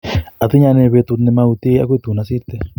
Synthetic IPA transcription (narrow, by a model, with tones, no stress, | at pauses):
a˨t̪i˦ɲa˧nẽ˧βe˧t̪u˧t̪ne˧ma˧u˧t̪i˦a̰˦k̬ʷt̪u˨na˧si˦ɾt̪e˦˧